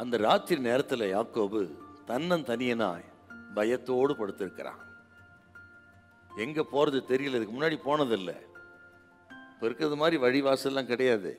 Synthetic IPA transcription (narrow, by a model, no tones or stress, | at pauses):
ɐnd̪ɐɾaːt̪ːɪɾneːɾɐt̪ːɯlɛjaːkoːbɯt̪ɐnːɐnt̪ɐnɪjɐna̰ːj | bɐjɐt̪ːoːɽɯpɐɽɯt̪ːɪɾɯkːɪɾã̰ː | ɛŋɡɐpoːɾɐðɯt̪ɛɾɪjɯlːɐɪðɯkːɯmʊnːaːɽipoːnɐðɪlːɐ̰ | pːoɔɪɾɯkːɯɾɐðɯmaːd̪ɾiʋɐɻɪʋaːsɛlːãːkɪɽɐjaːðɯ̰